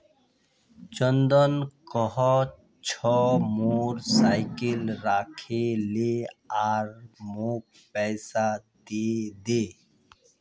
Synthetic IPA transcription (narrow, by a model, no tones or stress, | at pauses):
t͡ʃənd̪ɔnkɔɦɔ | t͡ʃʰɔmuɾsaːɪkilɾaːkʰeleaɾmuːk̚ | pɛɪsat̪eːd̪eː